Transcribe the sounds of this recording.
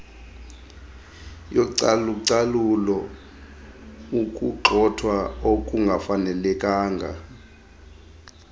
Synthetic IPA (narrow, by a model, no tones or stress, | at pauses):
joǀaluǀalulɔ | ukʼuǃʰʱɔtʰwaokʼuŋɡʱafanɛlɛkʼaːŋɡʱa̰